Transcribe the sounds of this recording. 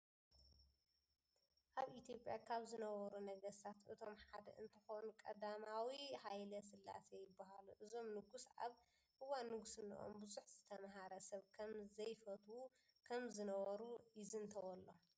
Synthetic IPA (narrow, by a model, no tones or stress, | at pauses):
ʔaβʔit̪ʰjo̞pʼjakʰaβzɨnɐβɐɾunɐɡɐst̪ʰat̪ʔɨt̪ʰo̞mħad̪ɐʔɨnt̪ʰɨxo̞nukʼɐd̪amawihajlɐsɨlːa̰sejɪbːaɦaluʔɨzo̞mnɨɡusʕa̰β | ʔɨwanːɨɡusɨnːḭʔo̰mbɨzuħz̥ɨt̪ʰɐmɦaɾɐsɐβkʰɐmzɐjfɐt̪ʰwu | kʰɐmzɨnɐβɐɾujɪzɨnt̪ʰɐwɔlːo̞